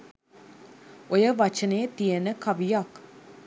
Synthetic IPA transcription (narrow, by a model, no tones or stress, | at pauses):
ojəʋat͡ʃənəjət̪ijənəkaʋijak